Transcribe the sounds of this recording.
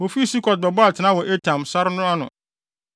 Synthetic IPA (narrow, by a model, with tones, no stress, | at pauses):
wɔ˨fi˦˨si˦kʰɔ˨t̚bɛ˨bɔ˦a˨tʰɪ˨nã˦wɔ˨ʔe˦tʰã˨msa˦ɾnʊ̃˦a˦nʊ̰̃˨